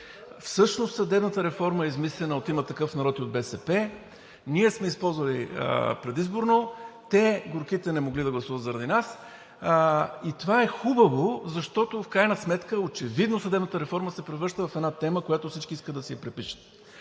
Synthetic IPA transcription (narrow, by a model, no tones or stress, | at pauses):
fsɤʃnost̪sɐd̪ɛbnət̪əɾɛfɔɾməɛizmislɛnəot̪imət̪ːɐkɤfnɐɾɔt̪iod̪̚bɛsɛpɛ | niɛsmɛispɔlˠzvɐlḭpɾɛd̪izboɾnot̪ɛɡʊɾk̟it̪ɛnɛmoɡlid̪ɐɡlˠɐsuvət̪zɐɾɐd̪inas | it̪ovaɛxubəvozɐʃt̪ɔt̪ofkɾajnəsmɛt̪kəot͡ʃɛvid̪nosəd̪ɛbnət̪əɾɛfɔɾməsɛpɾɛvɾɤɾʃt̪əvɐfɛd̪nat̪ɛməkojat̪ofsit͡ʃkiiskəd̪ɐsɛjɐpɾɛpiʃə̥t̪̚